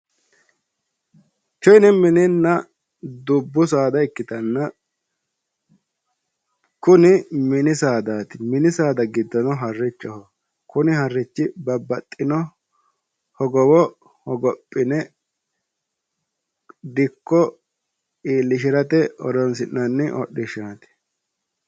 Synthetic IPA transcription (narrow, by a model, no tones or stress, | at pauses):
t͡ʃɔjnɛmɪnɪnːɐ | d̪ʊbːʊs̬aːd̪ɐɪkːɪt̪ɐnːɐ | kʊnɪmɪnɪsaːd̪aːt̪ɪmɪnɪsaːd̪ɐɡɪd̪ːɔnɔɦɐrːɪt͡ʃːɔhɔ | kʊnɪhɐrːɪt͡ʃːɪbɐbːɐt̪ʼːɪnɔ | hɔɡɔwɔ | hɔɡɔpʼːɪnɛ | d̪ɪkːɔ | iːlːɪʃ̬ɪɾɐt̪ɛɔ̰ɾɔnsɪnːɐnːɪʔɔ̰ɗːɪʃaːt̪ɪ̥